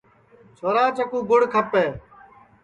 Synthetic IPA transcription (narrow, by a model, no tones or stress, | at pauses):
t͡ʃʰoːɾaːt͡ʃəkuːɡʊɽ̤kʰəpeː